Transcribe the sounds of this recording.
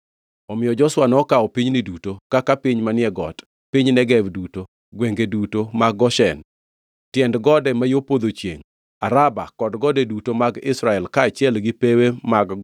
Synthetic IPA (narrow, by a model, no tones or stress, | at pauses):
ɔmɪjɔd͡ʒɔswanɔkaɔpiɲnidutokakapiɲmanɪɛɡɔ̰t | pɪɲnɛɡɛvduto | ɡweŋɡedutomaɡɡɔʃɛn | tjɛndɡɔdɛmajopod̪ot͡ʃjḛŋ | aɾabakɔdɡɔdɛdutomaɡɪsɾaɛlkaːt͡ʃɪɛlɡɪpewemaɡ